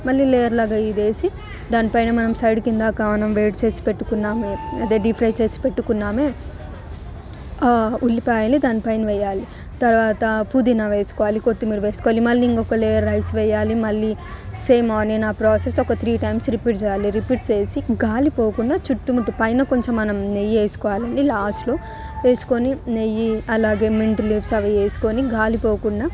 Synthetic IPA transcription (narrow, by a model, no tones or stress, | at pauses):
mɐlːiːleːjɐɾlaːɡaːiːd̪e̞ːsi | d̪aːnipɐjnɐmɐnɐmsɐjɖkind̪aːkaːmɐnɐmʋeːʈt͡ʃe̞ːsi̥pe̞ʈːukunːaːmeɐd̪eːɖipʰɾɐjt͡ʃe̞ːsi̥pe̞ʈːukunːaːmeː | ulːipaːjalid̪aːnipɐjnɐʋɛjːaːli | t̪ɐɾʋaːt̪ɐpud̪inaːʋe̞ːsu̥kɔʋaːlikot̪ːimiːɾuʋe̞ːsu̥kɔʋaːlimɐlːiiŋkɔkɐleːjɐɾːɐjsʋɛjːaːlimɐlːi | seːmaːneːnaːpɾoːsesɔkɐt̪ʰɾiːʈɐjmsɾipiːʈ̚t͡ʃɛːjaːliɾipiːʈt͡ʃe̞ːsiɡaːlipoːkuɳɖaːt͡ʃuʈːumuʈupɐjnɐkoɲt͡ʃemːɐnɐmneje̞ːsu̥kɔːʋaːlɐɳɖilaːsʈlo̞ː | ʋe̞ːsu̥ko̞ːninejiɐlaːɡe̞ːmiɳʈliːpsɐʋɐe̞ːsu̥ko̞ːniɡaːlipo̞ːkuɳɖaː